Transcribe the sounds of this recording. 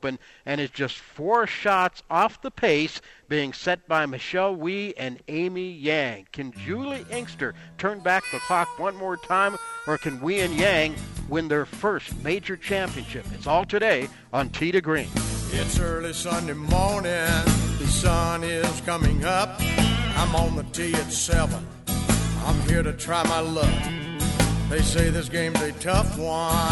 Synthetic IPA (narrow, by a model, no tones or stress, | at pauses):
pɨ̃n | ɨ̃ɾ̃ɨtzd̥d͡ʒ̥ʌstfɔɹʃɑtsɔfðəpʰeɪsb̥iɪ̃ŋsɛt̚b̥aɪmɨʃɛlˠwiɨ̃nẽɪ̃mijæ̃ŋkʰɨ̃nd͡ʒʉlˠiʔɪ̃ŋkstə˞tʰɜ̃˞nbæk̚ðəkʰɑk̚wʌ̃nmɔɹtʰãɪ̃mə˞kʰɨ̃nwiɨ̃njæ̃ŋwɨ̃nðə˞fɜ˞st̚meɪd͡ʒə˞t͡ʃʰæ̃mpiɨ̃nʃɪpɨtsɔlˠtʰɨɾeɪ | ə̃n̩tʰiɾɨɡɹĩnɪtsɜ˞lˠisʌ̃ndeɪmɔɹnɪ̃nðɨsʌ̃nɪz̥kʰʌmɪ̃ŋʌp̚ã̰ɪ̃mə̃n̩ðətʰiɨtsɛvə̃n | ã̰ɪ̃mhiɹɾɨtʰɹ̥aɪmaɪlʌv | ðeɪseɪðɪs̬ɡ̥ẽɪ̃mzɨtʰʌfwʌ̃